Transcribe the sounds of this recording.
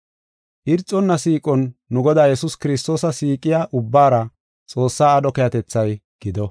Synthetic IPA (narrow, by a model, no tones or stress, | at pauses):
ʔɪɾt͡sʼːɔnːɐsiːkʼɔnːʊɡɔd̪aːjɛsʊskɪɾɪs̬t̪o̞ːsɐsiːkʼɪjaːʔʊbːaːɾɐ | t͡sʼo̞ːsːaːɗɔkɛjɐt̪ɛt͡sːɐjɡ̥ɪd̪ɔ